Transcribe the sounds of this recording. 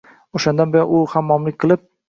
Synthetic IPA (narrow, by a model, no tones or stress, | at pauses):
oʃand̪anbɪjɒʔʊhamːɒmlɪk̚ʲqʰɨlˠɪp̚